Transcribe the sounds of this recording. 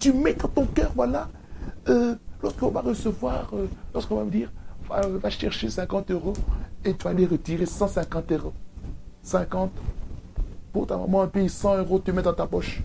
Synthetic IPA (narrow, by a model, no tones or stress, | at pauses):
t̪ymɛd̪ɑ̃t̪ɔ̃kœːʁvwala | ølɔʁskəɔ̃vaʁəsəvwaʁølɔʁskɔ̃vaməd̪iːʁvavaʃɛʁʃesɛ̃kɑ̃t̪øʁoet̪yvaleʁət̪iʁesɑ̃sɛ̃kɑ̃t̪øʁo | sɛ̃kɑ̃t̪ | puʁt̪a̰ma̰mɑ̃ɛ̃peisɑ̃øʁot̪ymɛt̪d̪ɑ̃t̪apɔʃ